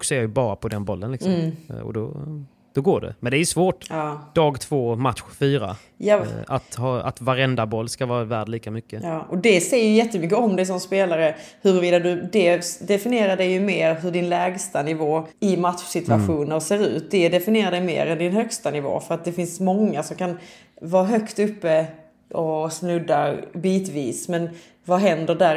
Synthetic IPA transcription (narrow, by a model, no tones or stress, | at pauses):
ksɔeːjjɵbɑːɾapʰɔd̪ɛnbɔlːə̰nlɪksɔɔ̰d̪ɔ | d̪̥ɔɡoːɖɛ̰mɛnd̪ɛæɾjʉsvoːʈjɑːd̪̥ɑːɡt̪ʰv̥oːmat̪ɧfyːɾa̰ | jaa̰t̪hɑːa̰t̪vaɾɛnd̪abɔlːskavɑːɾavæːɖliːkamʏkːəjɑːʔɔd̪ɛsɛjəjʏjɛt̪ːəmʏkːəɔmd̪ɛjs̬ɔmspeːlaɾəhɵɾviːd̪ad̪ɵd̪ɛd̪ɛfɪnɪeːɾaɖɛjɵmeːɾɦɵɖɪnlɛːɡst̪anɪvoːɪmat̪ʂsɪt̪ʉaɧuːnəɾseːɾʉ̟ːt̪̚d̪ɛd̪ɛfɪnɪjeːɾadɛjmḛːɾɛnd̪ɪnɦœkst̪anɪvo̰ːfœɾat̪̚d̪ɛfɪnsmɔŋːasɔmkʰan | vɑːɾɦœkt̪ɵpːə | ʔɔsnɵd̪ːabiːt̪viːsmɛn | vaɦɛnd̪əɖæɾ